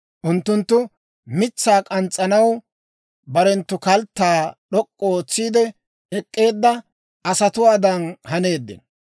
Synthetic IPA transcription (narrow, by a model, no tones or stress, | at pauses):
ʔʊnt̪ːʊnt̪ːʊ | mɪt͡sːaːkʼɐnt͡sʼːɐnɐw | bɐɾɛnt̪ːʊkɐlt̪ːaːɗɔkʼːɔoːt͡sːiːd̪ɛ | ʔɛkʼːe̞ːd̪ːɐ | ɐsɐt̪ʊwaːd̪ɐnhɐne̞ːd̪ːɪ̰n